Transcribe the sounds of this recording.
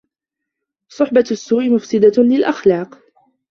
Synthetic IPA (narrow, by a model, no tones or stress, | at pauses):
sˤʊħbaasːuːʔɪmʊfsɪd̪alɪlʔaxlɑːq